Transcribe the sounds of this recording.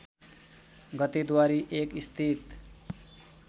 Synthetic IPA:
ɡʌt̪ed̪waɾiʔekist̪ʰit̪

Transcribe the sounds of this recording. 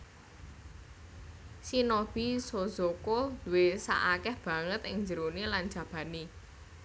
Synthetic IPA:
sinob̥isozokod̪uwesa̰ʔakɛhb̥ä̤ŋət̪ɪŋɲd͡ʒəɾonilan̥d͡ʒ̥ä̤b̥ä̤ni

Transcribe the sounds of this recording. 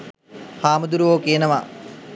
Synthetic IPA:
haːmud̪uɾuʋoːkeːnɐʋa

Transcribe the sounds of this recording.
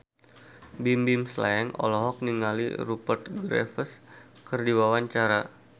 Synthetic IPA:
bimbimsla̰ɛŋɔ̰lɔɦɔk̚niŋalḭɾupərt̪̚ɡɾɛ̰fəs | kərdiwawaɲt͡ʃaɾa

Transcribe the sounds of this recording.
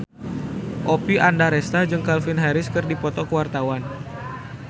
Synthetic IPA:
ʔopiandaɾɛst̪ad͡ʒɨŋkalfinɦaɾɪskɨrdipɔt̪ɔkəwart̪awan

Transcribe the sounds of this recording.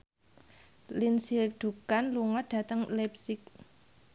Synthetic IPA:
linsik̚d̪̥ṳkanluŋɔɖ̥a̤t̪əŋlɛp̚sɪk̚

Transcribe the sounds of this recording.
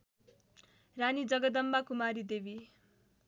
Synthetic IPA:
ranid͡zʌɡʌd̪ʌmbakumaɾid̪ebi

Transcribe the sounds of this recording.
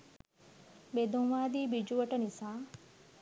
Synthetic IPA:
bed̪ũŋʋaːd̪iːbid͡ʒuʋəʈɐnisaː

